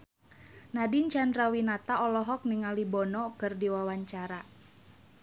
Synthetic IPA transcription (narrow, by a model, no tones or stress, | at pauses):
nadiɲt͡ʃandrawinat̪aɔlɔɦɔk̚niŋalibɔnɔkɨrdiwawaɲt͡ʃaɾa